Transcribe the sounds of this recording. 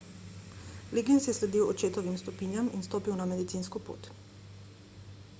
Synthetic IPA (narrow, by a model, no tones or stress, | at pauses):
liɡinsjɛslɛd̪iwɔt͡ʃeːt̪ɔʋimst̪ɔpiːnjaminst̪oːpiwnamɛd̪it̪sinskɔpo̰ːt̪